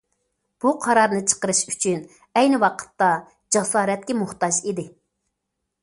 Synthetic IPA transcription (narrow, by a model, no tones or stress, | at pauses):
b̥uqʰɑɾɑɾnɨt͡ʃʰə̥qəɾɨʃyt͡ʃʰyn | ɛjnɪwɑqʰə̥t̪ːɑ | d͡ʒɑsɑːɾɛt̪̚kʲɛmuχt̪ɑd͡ʒid̪ɪ